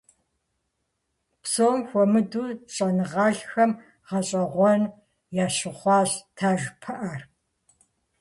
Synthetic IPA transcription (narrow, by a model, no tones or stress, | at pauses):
psoːmxʷɔmɨduːɕʼɐnɨʁɑːɬxɐm | ʁɐɕʼɐʁʷɔn | jaːɕɨχʷɑːɕtʰaːʒpʰɐʔɐr